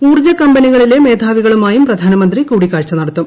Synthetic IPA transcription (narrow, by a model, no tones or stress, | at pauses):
uːrd͡ʑɐkɐmbɐniɣɐɭileme̞ːd̪ʱaːʋiɣɐɭumaːjumprɐd̪ʱaːnɐmɐnd̪rikuːɽikːaːɻt͡ɕːɐnɐɽɐt̪ːum